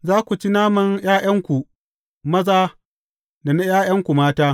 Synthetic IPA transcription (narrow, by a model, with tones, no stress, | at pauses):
zaː˦kʷu˨t͡ʃi˦naː˦mɐ˨ŋjaː˦jʔɐ˦ŋkʷu˨ | mɐ˦zaː˦ | da˨na˦jaː˦j̰ɐ˦ŋkʷu˨maː˦taː˦